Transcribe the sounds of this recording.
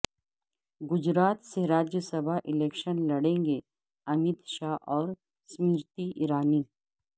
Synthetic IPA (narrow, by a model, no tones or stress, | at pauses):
ɡʊd͡ʒɾaːt̪seɾaːd͡ʒjəsɐbʱaʔɪleːkʃənlɐɽẽːŋɡe | ɐmɪt̪ʃaːɦɔːɾ | smɪɾt̪iʔɪɾaːniː